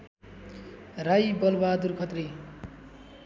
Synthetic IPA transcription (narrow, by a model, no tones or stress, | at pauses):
rajbʌlbad̪urkʰʌt̪ri